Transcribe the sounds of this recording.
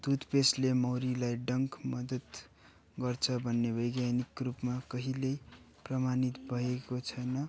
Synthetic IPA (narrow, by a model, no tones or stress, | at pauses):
d̪̥ud̪peslemʌwɾilajɖʌŋkmʌd̪ʌt̪ | ɡʌrt͡sʰʌbʱʌnːebʌjɡjanikrupmakʌɦilej | prʌmanit̪bʱʌekot͡sʰʌjnʌ